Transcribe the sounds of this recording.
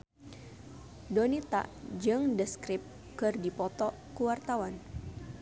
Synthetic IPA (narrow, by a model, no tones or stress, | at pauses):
donit̪a̰ʔd͡ʒɨŋdəskɾip̚ | kɨrdipɔt̪ɔ | kuwart̪awan